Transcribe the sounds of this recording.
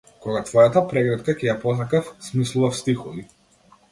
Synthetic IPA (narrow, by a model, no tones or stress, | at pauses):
kɔɡat̪vɔjat̪apɾɛɡɾɛt̪kacɛjapɔs̬akafsmislˠuvafst̪ixɔvi